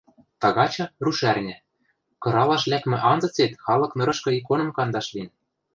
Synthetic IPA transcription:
t̪ɑɣɑt͡ɕɤ̆ruʃærnʲɘ̆ | kɤ̆ɾɑlɑʃlʲækmɘ̆ʔɑnzɤ̆t͡set̪xɑlɤ̆knɤ̆ɾɤ̆ʃkɤ̆ik̬onɤ̆mkɑnd̪ɑʃlinʲ

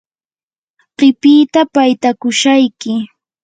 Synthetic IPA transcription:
ɢɪpiːt̪apajt̪akʊʃajkɪ

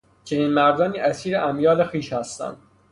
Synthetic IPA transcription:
t͡ʃʰe̞niːnmæɾd̪ɒːniːʔæsiːɾeʔæmjɒːlexiːʃhæst̪æ̰nd̪̥

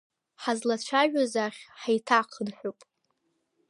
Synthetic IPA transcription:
ħazlat͡ʃʷʰaʒᶣazaχʲħajtʰaqʰənħʷupʼ

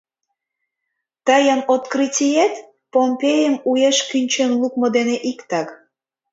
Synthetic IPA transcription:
t̪əjənot̪kritʲijet̪ | pompʲejəmujeʃkynʲt͡ɕenlukmod̪eneʔikt̪ɑk

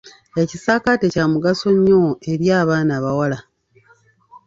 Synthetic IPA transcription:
ecisaːkatecaːmuɡaso̞ɲːo̞e̞ɾjaːβaːnaːβawala

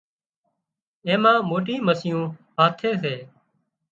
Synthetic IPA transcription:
ẽːmãːmoːʈĩːməsɪjũːɦaːt̪ʰeːseː

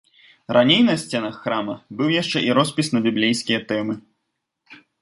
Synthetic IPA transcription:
ranʲejnɐsʲt͡sʲɛnɐxːɾamɐbɨwjaʂt͡ʂɛʔiɾɔspʲisnɐbʲiblʲejskʲijɐt̪ɛmɨ

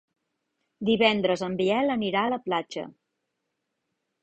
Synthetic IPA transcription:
d̪iβɛnd̪ɾəzəmbiɛləniɾaələplad͡ʒə̰

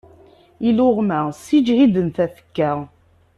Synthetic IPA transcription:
ilʊʁmæsid͡ʒhid̪ənθæθə̥kːæ

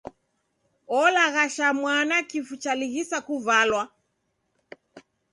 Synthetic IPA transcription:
ɔlaɣaʃamwanakifut͡ʃaliɣisakuvalwa

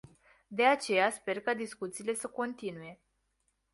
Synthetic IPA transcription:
d̪e̞at͡ʃe̞jaspe̞rkad̪iskut̪siːle̞səko̞nt̪inuje̞

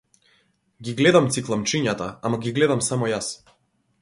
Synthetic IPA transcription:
ɡʲiɡlɛd̪amt̪siklˠamt͡ʃiɲat̪aamaɡʲiɡlɛd̪amsamɔjas

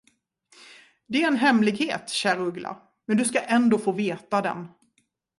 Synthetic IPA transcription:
d̪ɛæɾɛnɦɛmlɪɡheːt̪ɕæːɾaɵɡla̰ɾ | mɛnd̪ɵskaʔɛnd̪oːfoːveːt̪ad̪ɛ̰n

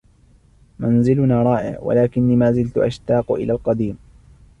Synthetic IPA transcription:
manzɪlʊnaːɾˤɑːʔɪ̰ʕwa̰laːkɪnːiːmaːzɪlt̪ʊʔa̰ʃt̪ɑːqʔɪ̰laːlqɑd̪iːm

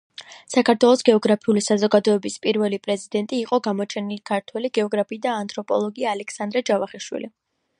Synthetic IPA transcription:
sakʰaɾt̪ʰwɛlˠɔsɡɛɔɡɾapʰiulisazɔɡad̪ɔɛbispʼiɾvɛlipʼɾɛzid̪ɛnt̪ʼiːqʼɔɡamɔt͡ʃʰɛnilikʰaɾt̪ʰwɛliɡɛɔɡɾapʰiːd̪aːnt̪ʰʼɾɔpʼɔ̰lˠɔɡiaːlɛkʰsand̪ɾɛd͡ʒavaχiʃwḭlḭ

